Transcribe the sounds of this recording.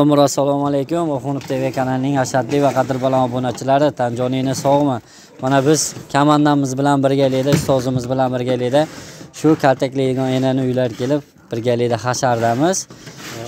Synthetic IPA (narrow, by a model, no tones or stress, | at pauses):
omʊɾasːalˠɒmalejkʲʊmoχʊnʊpt̪ʰevekʲʰanalnɪŋaʃad̪lɪvaqʰɑd̪ɪɾbalanɒbonat͡ʃʰɪlaɾɪt̪ʰand͡ʒɒninɪsɒʁma | manabɪz̥kʲʰamand̪amɪzbɪlanbɪɾɡʲalijd̪aɪst̪ɒzɪmɪzbɪlanbɪɾɡʲalid̪aʃʊkʲʰalt̪ʰakʲlijd̪ɪɡɒnenanɪʊjlaɾkʲe̞lɪp̚ | b̥ɪɾɡʲalid̪aχaʃaɾd̪amɪz̥